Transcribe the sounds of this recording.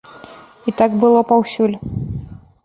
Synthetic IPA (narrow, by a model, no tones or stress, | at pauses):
it̪aɡbɨlˠɔpawsʲulʲ